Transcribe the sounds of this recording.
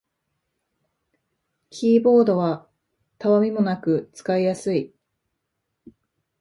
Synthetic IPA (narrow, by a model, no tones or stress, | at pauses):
kʲʰiːbo̞ːd̪o̞β̞a | t̪aβamʲimo̞nakɯ̟t͡sɨ̥kaijasɨi